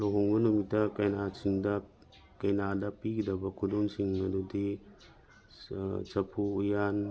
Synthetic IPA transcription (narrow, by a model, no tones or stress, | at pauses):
loɦoŋbɐnumitːɐkɐjnasiŋdɐ | kɐjnadɐpiɡidɐbɐkʰuduŋsiŋmɐdudi | sɐpʰuːjan